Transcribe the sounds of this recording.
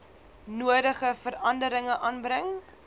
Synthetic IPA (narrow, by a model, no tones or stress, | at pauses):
nuədəχəfəɾɐndəɾəŋəʔɑːnbɾəŋ